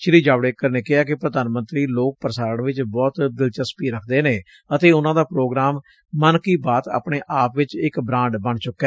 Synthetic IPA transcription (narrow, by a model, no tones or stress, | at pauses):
t͡ʃɪɾiːd͡ʒaːʋɽeːkːəɾneːkɪɦaːkɪpɾəd̪aːnmə̃nt̪ɾiːloːk̚pəɾəsaːɾəɳʋɪt͡ʃbɔːt̪d̪ɪlt͡ʃəspiːɾəkʰd̪eːneː | ət̪eːʊnãːd̪aːpɾoːɡɾaːmː | ənkiːbaːt̪a̰ːpɳeːʔaːpʋɪt͡ʃɪkbɾãːɳɖbəɳt͡ʃʊkːɛː